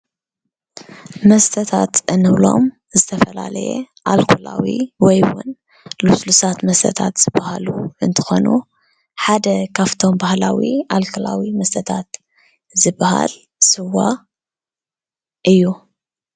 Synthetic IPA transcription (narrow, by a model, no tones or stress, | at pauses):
mɐst̪ʰɐt̪ʰat̪ʔɨnɨwlo̞̰m | zɨt̪ʰɐfɐlalɐjɛ̰ | ʔalkʰulawḭwɔjwʊ̰n | luslusat̪mɐst̪ʰɐt̪ʰat̪z̥ɨbahaluɨnt̪ʰɨ̥xo̞nu | ħad̪ɐkʰaft̪ʰo̞mbahlawialkʰɐlawimɐst̪ʰɐt̪ʰat̪ | zɨbaha̰l | sɨwːa | ʔɨjːu